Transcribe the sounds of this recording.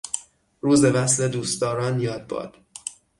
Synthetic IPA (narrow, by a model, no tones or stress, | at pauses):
ruːze̞væsle̞d̪uːst̪ɒːɾɒːnjɒːd̪̚bɒ̰ːd̪̥